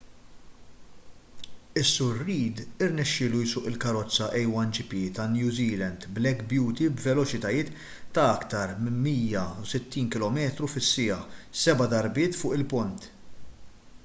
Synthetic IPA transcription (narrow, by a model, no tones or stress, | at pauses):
ɪsːʊɾːiːd̪ɪɾnɛʃːɪːlujsʊːʔɪlkɐɾɔt͡sːɐʔɛjwɐnd͡ʒɪpit̪ɐnjuːziːlɛnd̪blɛkbjuːt̪ibvɛlɔt͡ʃɪt̪ɐjɪːt̪ː | ɐɐkt̪ɐɾmɪmːiːjɐusɪt̪ːiːnkɪlɔmɛːt̪ɾufɪsːɪjɐħsɛbɐd̪ɐɾbɪːt̪fʊːʔɪlpʊnt̪